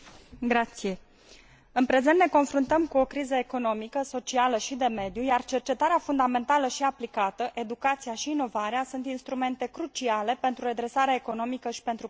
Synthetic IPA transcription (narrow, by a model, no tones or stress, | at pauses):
ɡɾat̪sije̞ | ɨnpɾe̞zent̪ne̞ko̞nfɾunt̪əmkuo̞kɾizəeko̞no̞mikəso̞t͡ʃialəʃid̪e̞me̞d̪jujart͡ʃe̞rt͡ʃe̞t̪aɾeafund̪ame̞nt̪aləʃiaplikat̪əʔe̞d̪ukat̪sijaʃiːno̞vaɾeasunt̪inst̪ɾume̞nt̪e̞kɾut͡ʃiale̞pe̞nt̪ɾuɾe̞d̪ɾe̞saɾeaeko̞no̞mikəʃi̥pe̞nt̪ɾu